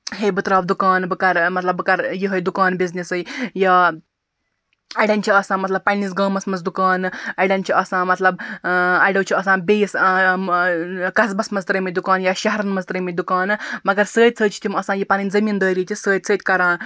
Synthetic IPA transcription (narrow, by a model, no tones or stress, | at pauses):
ɦebɨt̪ɾaːbd̪ukaːnbɨkaɾmɐt̪lɐbːɨkaɾjiɦəjd̪ukaːnbiznesɨjja | ɐɽãnʲt͡ʃʰiɐsãːmɐt̪lɐb̚pɐnːiːsɡəːmɐsmɐzd̪ukaːnɐɽãnt͡ʃʰiʔɐsãːmɐt̪lɐbajɽəwt͡ɕʰiɐsãːbejis | kɐsbɐsmɐst̪ɾəməd̪ukaːnjaɕɐɦɾɐnmɐzt̪ɾəməjʲd̪ukaːnmɐɡɐɾsəːt̪̚ʲt͡sʰəːt͡ɕʰi̥t̪ʰimɐsãjipaninʲd͡zɐmiːnd̪əːɾitisəːt̪̚ʲt͡sʰəːt̪ʲkɐɾãːn